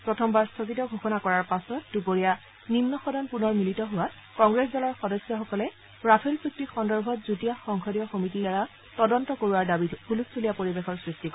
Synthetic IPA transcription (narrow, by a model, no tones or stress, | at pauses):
pɹɔtʰɔmbaɹstʰɔkitɔɡʱoxɔnakɔɹaɹpasɔt̚dupoɹija | nimnɔxɔdʱanpunɔɹmilitɔɦʊwa | kɔŋɡɹeszalɔɹxɔdɔsjɔxɔkɔlɛ | ɹapʰelpuk̚tixɔndɔɹbʱɔtzutijaxɔŋkʰɔdijɔxomit̬iaɹa | tɔdɔntɔkoɹuwaɹdabihʰulussʰolijapoɹibexɔɹsɹistik